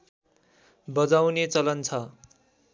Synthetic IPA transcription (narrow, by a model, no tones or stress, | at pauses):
bʌd͡zawnet͡sʌlʌnt͡sʰʌ